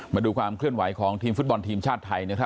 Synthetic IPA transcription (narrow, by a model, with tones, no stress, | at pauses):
maː˧duː˧kʰwaː˧mkʰlɯ˥˩ənwa˩˦jkʰɔː˩˦ŋt̪ʰiː˧mfu˦˥t̪̚bɔ˧nt̪ʰiː˧mt͡ɕʰaː˥˩t̪ʰːa˧jna˦˥kʰɾa˦˥